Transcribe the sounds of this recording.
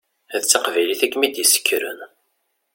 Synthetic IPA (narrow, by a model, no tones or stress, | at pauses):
æðt͡sːɑqvæjliθækmid̪jəsə̥kːɾə̰n